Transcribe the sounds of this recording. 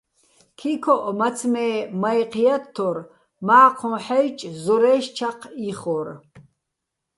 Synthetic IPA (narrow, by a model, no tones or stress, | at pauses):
kʰikʰɔʔmat͡sʰmɛːmajqʰjat̪ʰːɔr | maːqʰɔ̃ħɛjt͡ʃʼzɔɾɛʃt͡ʃʰaqʰiχɔr